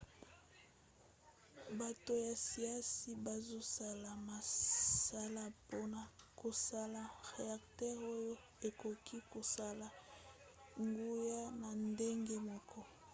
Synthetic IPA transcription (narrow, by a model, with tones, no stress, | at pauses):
ba˨to˨ja˨si˨a˦si˦ba˨zo˦sa˦la˨ma˨sa˦la˦po˦na˨ko˨sa˦la˨ʁe˨a˨ktɛ˦ʁo˦jo˦ | e˨ko˨kʰi˦ko˨sa˦la˨ | ŋɡu˦ja˦na˨nde˦ŋɡe˦mɔ˨kʰɔ˦